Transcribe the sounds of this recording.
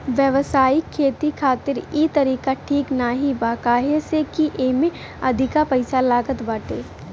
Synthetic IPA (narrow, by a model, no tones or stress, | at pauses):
ʋjəʋsaːikʰːeːt̪ikʰaːt̪ɪɾiːt̪ɐɾiːkaʈʰiːknaːɦibaːkaːɦesekiʔeːmẽ | ɐ̰d̪ʱɪkapɐɪsalaːɡət̪baːʈeː